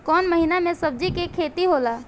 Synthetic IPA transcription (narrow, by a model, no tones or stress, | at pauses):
kɔːnməɦinamẽsɐb̚d͡ʒikekʰeːt̪iɦoːlaː